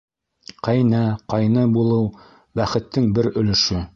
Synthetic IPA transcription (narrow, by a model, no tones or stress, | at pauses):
qæjnæqɑjnɤbulˠɤw | bæχɘ̆t̪ːɘŋbɘɾɵ̆lɵ̆ʃɵ